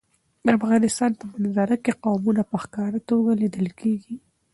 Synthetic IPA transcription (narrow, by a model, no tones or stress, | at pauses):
afɣɑnɪst̪ɑnt̪abənazɑɾakeqɑwmunapəxkɑɾat̪oɡalid̪əlkʰeɡi